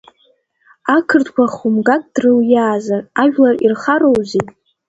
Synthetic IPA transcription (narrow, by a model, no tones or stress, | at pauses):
akʰɨrtʰkʷʰaχumɡakʼd̥rɨljaːzaraʒᶣlarirχaɾowzitʼ